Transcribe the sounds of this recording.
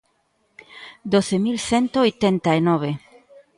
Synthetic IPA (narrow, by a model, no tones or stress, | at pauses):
d̪oθemilθent̪oojt̪ent̪aenoβe